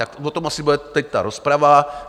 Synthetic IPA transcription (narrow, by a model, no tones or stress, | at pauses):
t̪akvot̪omasɪbudɛt̪ɛc̚t̪aɾospɾava